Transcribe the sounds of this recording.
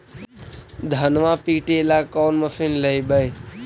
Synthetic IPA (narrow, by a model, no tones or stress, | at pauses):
d̪ʱənʋapiʈelakɔwnməsinləjbəj